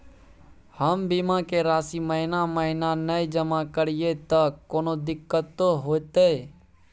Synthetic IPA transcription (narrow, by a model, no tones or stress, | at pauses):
həmbimakeɾaːsiməɦɪnaməɦɪnanəjd͡ʒəmãkəɽijet̪əkːoːnod̪ɪkːət̪ːoɦoːt̪e